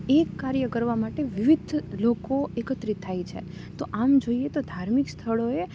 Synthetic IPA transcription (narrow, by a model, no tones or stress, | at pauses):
ekːaɾjəkəɾʋamaʈeʋiʋid̪ʱlokoekət̪ɾit̪ʰːajt͡ʃʰḛt̪oʔamd͡ʒoiet̪od̪ʱaɾmikst̪ʰəɭoe